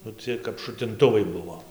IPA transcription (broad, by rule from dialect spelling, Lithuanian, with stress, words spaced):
nʊ ˈt͡sʲiɛj kɐp ʃʊtʲɪnˈtʊʋɐɪ ˈbʊʋoː